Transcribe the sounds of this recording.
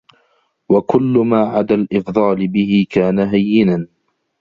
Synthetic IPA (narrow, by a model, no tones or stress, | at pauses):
wakʊlːʊmaːʕad̪alʔɪfd̪ˤɑːlɪbɪhɪkaːnaɦajːɪnan